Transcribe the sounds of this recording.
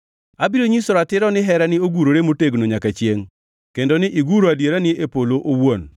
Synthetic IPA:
abɪɾoɲisoɾatɪɾɔnɪɦɛɾanɪoɡuɾoɾemoteɡnoɲakat͡ʃjeŋ | kendonɪʔiɡuɾoadjeɾanɪepoloʔowon

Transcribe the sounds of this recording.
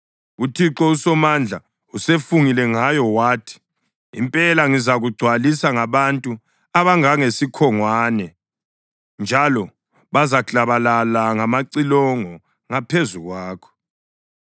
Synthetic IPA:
utʰiǁɔusɔmand͡ɮʱa | usefuŋilɛŋajɔwaːtʰi̥ | ḭmpʼɛlaŋizaɣuɡ͡ǀʱwalisaŋaβantʼu | aβaŋaŋesikʰɔŋwaːnɛ | nd͡ʒʱalɔ | βazaɬaβalalaŋamaǀilɔŋɔ | ŋapʰezuɣwaːkʰɔ̥

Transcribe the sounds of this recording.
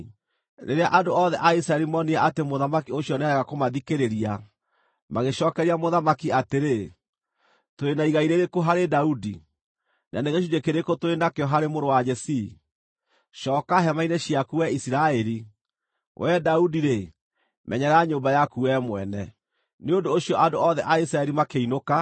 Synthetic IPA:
ɾḛɾeaʔadoʔɔðɛʔais̬ɾaɛɾimɔniaʔatemoðamakioɕjɔnaɾɛɣakomaðikeɾeɾia | maɣeɕɔːkɛɾiamoðamakiateɾe | toenaiɣaiɾeɾekoɦaɾedaudi | na̰neɣeʃ̬ud͡ʒekeɾekotoenakeɔɦaɾemoɾowad͡ʒɛsi | ʃɔːkaɦɛmainɛɕiakuwɛisiɾaɛɾi | wʔɛdaudiɾe | mʔɛ̰ɲɛɾaaɲombajakuwɛmwɛnɛ | neondoːɕjɔʔadoɔðɛʔais̬ɾaɛɾimakeinoka

